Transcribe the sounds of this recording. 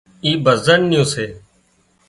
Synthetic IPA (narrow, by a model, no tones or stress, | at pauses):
iːbəzənːɪjũːseː